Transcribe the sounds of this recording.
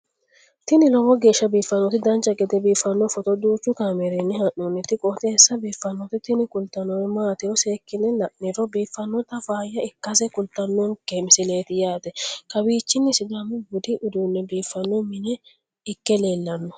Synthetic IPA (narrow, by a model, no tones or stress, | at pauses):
t̪ɪnɪlɔwɔɡe̞ːʃːɐbiːfːɐnːɔt̪ɪd̪ɐnt͡ʃʼːɐɡɛd̪ɛbiːfːɐnːɔfɔt̪ɔd̪uːt͡ʃːʊkaːmɛɾenːɛhɐʔonːɛt̪ɪkʼɔt̪ɛɛsːɐbiːfːɐnːɔt̪ɪt̪ɪnɪkʊlt̪ːɐnɔwɛmaːt̪ɪɾɔseːkːɪnːɛlɐʔːɛɾɔbiːfːɐnːɔt̪ɐfaːjːɐɪkːɐsɛkʊlt̪ːɐnːɔnkɛmsɪle̞ːt̪ɪjaːt̪ɛkɐbiːt͡ʃːɪnːɛsɪd̪amːɛbʊd̪ɪʔʊd̪uːnːɛbiːfːɐnːɔmɪnɛ | ɪkːɛleːlːɐnːɔ